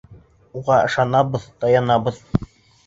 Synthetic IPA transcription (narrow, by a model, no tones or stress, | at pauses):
uʁɑɤ̆ʃɑnɑbɤðt̪ɑjɑnɑbɤ̆ð